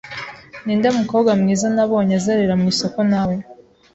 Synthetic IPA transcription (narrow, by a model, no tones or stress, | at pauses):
niːndamuko̞βɡwamŋiːzanaβo̞ːɲazaɾeɾamŋiːso̞ko̞naβo